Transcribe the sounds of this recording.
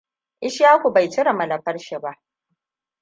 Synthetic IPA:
ʔɪ˦ʃjaː˦kʷu˨ba˨jt͡ʃɪ˦ɽa˨mɐ˨lɐ˨ɸɐ˦rʃɪ˨ba˦ʔ

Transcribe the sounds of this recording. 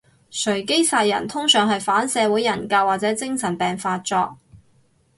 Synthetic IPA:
sʰɵ˨˩ɥke˥jsaː˧jːɐ̰˨˩nt̪ʰʊ˥ŋsœː˨˩ŋɦɐ˨jfaː˨˥nsɛː˨˧wuː˨˥jːɐ˨˩nkɐ˧waː˨t̚t͡sɛː˨˥t͡sɪ˥ŋsɐ˨˩npɛː˨ŋfaː˧t̚t͡sɔː˧k̚

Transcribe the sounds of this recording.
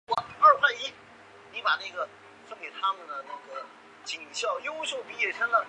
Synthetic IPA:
a˥˩ə˞˥˧xʰa˥˧ɪi˥ | ni˧˥pa˨˩na˥˩ɡə˩ | fə˥nke˨˩ɪt̪ʰa˥mə˨nd̪ə˩na˥˩ɡə˩ | t͡ɕi˨˩ŋɕjɑ˥˩ʊjo˥ʊɕjo˥˩ʊpi˧˥jɛ˨˩ʈ͡ʂʰə˥ŋlə˨

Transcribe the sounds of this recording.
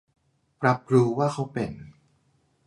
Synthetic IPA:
pɾa˦˥p̚ɾuː˧waː˥˩kʰa˦˥wpe˨˧n

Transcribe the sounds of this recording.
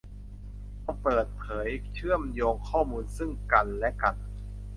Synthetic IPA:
a˧wpɤː˨˩t̪̚pʰɤː˩˦jt͡ɕʰɯ˥˩əmjoː˧kʰːɔː˥˩muː˧nsɯ˥˩ŋka˧nlɛ˦˥ka˧˩n

